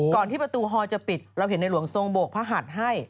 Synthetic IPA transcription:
kɔː˨˩nt̪ʰiː˥˩pɾa˧t̪uː˧ɦɔː˧t͡ɕa˨˩pi˨˩t̪̚ɾa˧wɦe˨˩˦nːa˧jlu˩˦əŋso˧ŋboː˨˩k̚pʰaː˦˥ɦa˨˩t̪̚ɦa˥˩j

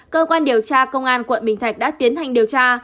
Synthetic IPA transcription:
kəː˧kwaː˧nɗi˨˩əwt͡ɕaː˧kə˧wŋ͡mʔaː˧nkwə̰˧˨nɓï˨˩ŋ̟ʰa˨˩jk̚ɗa̰ː˧˥t̪i˨˦ənhʰa˨˩jŋɗi˨˩əwt͡ɕaː˧

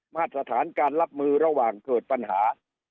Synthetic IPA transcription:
maː˥˩t̪̚ːɾa˧t̪ʰaː˩˦nkaː˧nɾa˦˥p̚mɯː˧ɾa˧waː˨˩ŋkɤː˨˩t̪̚pa˧nɦaː˩˦

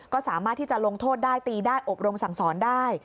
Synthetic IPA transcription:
kɔː˥˩saː˩˦maː˥˩t̪ʰːiː˥˩t͡ɕa˨˩lo˧ŋt̪ʰoː˥˩t̪̚daː˥˩jt̪iː˧daː˥˩jʔo˨˩p̚ɾo˧msa˨˩˦ŋsɔː˩˦ndaː˥˩j

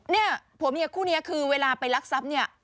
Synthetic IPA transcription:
ni˥˩ɐpʰu˩˦mi˦˥˩kʰuː˥˩ni˦˥ɐkʰɯː˧weː˧laː˧pa˧jla˦˥k̚sa˦˥p̚ni˥˩ɐ

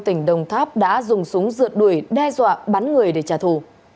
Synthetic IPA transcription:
t̪ï˧˩ŋ̟ɗə˨˩wŋ͡mt̪ʰaː˦˥p̚ɗa̰ː˧˥zʊ˨˩ŋ͡msʊ˨˦ŋ͡mzɨ̰˧˨ət̚ɗu˧˩əjɗɛ˧zwa̰ː˧˨ɓa˨˦nŋɨ˨˩əjɗe˧˩t͡ɕaː˨˩t̪ʰu˧˩

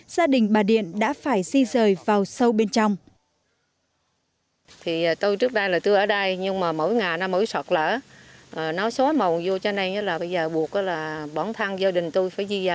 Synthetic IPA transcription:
z̥aː˧ɗï˨˩ŋ̟ɓaː˨˩ɗḭ˧˨ənɗa̰ː˧˥faː˧˩jzi˧zəː˨˩jvaː˨˩wsə˧wɓe˧nt͡ɕɔ˧wŋ͡m | t̪ʰi˨˩˨t̪o˧jt͡ɕɨ˦˥ək̚ɗa˧jlaː˨˩t̪ɨ˧ʔəː˧˩ɗə˧jɲɨ˧ŋmaː˨˩mo̰˧˥˨jŋaː˨˩jnɔ˧˦mə̰˧˩˦jsə˨˩t̚lə̰ː˧˩ʔəː˨˩nɔ˨˦so˨˦mə˨˩wnzu˧t͡ɕɔ˧na˧jɲə˨˦laː˨˩ɓə˧jzəː˨˩ɓu˨˩ək̚ʔəː˨˦laː˨˩ɓɔ˧˩nt̪ʰa˧ŋzaː˧ɗï˨˩ŋ̟t̪u˧jfaː˧˩jzi˧za˨˩

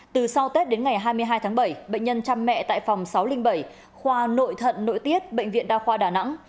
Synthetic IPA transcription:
t̪ɨ˨˩sa˧wt̪e˦˥t̚ɗe˨˦nŋa˨˩jɦaː˧jmɨ˧əjɦaː˧jt̪ʰaː˨˦ŋɓə˧˩jɓə̰˧˨ŋ̟ɲə˧nt͡ɕaː˧mːɛ̰˧˨t̪a̰ː˧˨jfɔ˨˩wŋ͡msa˨˦wlï˧ŋ̟ɓə˧˩j | xwaː˧no̰˧˨jt̪ʰə̰˧˨nːo̰˧˨jt̪i˦˥ət̚ɓə̰˧˨ŋ̟vḭ˧˨ənɗaː˧xwaː˧ɗaː˨˩na̰˧˥ŋ

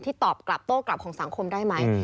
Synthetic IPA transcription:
t̪ʰiː˥˩t̪ɔː˨˩p̚kla˨˩p̚t̪oː˥˩kla˨˩p̚kʰɔː˩˦ŋsa˨˩˦ŋkʰo˧mdaː˥˩jma˦˥j

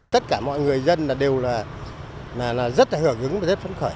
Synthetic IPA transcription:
t̪ə˦˥t̚kaː˧˩mɔ̰˧˨jŋɨ˨˩əjzə˧nlaː˨˩ɗe˨˩wlaː˨˩ | laː˨˩laː˨˩zə˦˥t̚laː˨˩hɨ˧˩əɣɨ˨˦ŋmaː˨˩ze˦˥p̚fə˨˦nxɔ˧˩j

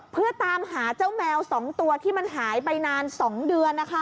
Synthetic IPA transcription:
pʰɯ˥˩ɐt̪aː˧mɦaː˩˦t͡ɕa˥˩wmɛː˧wsɔː˩˦ŋt̪u˧ɐt̪ʰiː˥˩ma˧nɦaː˩˦jpa˧jnaː˧nsɔː˩˦ŋdɯ˧ənːa˦˥kʰa˦˥

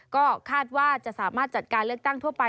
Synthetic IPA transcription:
kɔː˥˩kʰaː˥˩t̪̚waː˥˩t͡ɕa˨˩ʔsaː˩˦maː˥˩t̪̚t͡ɕa˨˩t̪̚kaː˧nlɯ˥˩ək̚t̪a˥˩ŋt̪ʰu˥˩pa˧

